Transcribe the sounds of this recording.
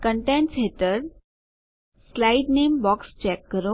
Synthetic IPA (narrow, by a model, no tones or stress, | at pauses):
kəɳʈẽɳʈsɦet̪əɾ | slaiɖnembɔkst͡ɕɛkːəɾo